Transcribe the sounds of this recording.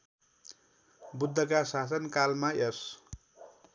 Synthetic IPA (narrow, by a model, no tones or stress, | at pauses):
bud̪ʱːʌkasasʌnkalmaes